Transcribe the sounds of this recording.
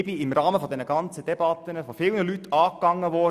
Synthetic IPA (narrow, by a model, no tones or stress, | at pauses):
biɪmɾɑːməfɔd̪ɛnəɡ̥ɑnt͡səd̥ɛb̥ɑt̪ənəfɔfɪlnəlyt̪ʰːɑːkːɑŋːəʋɔː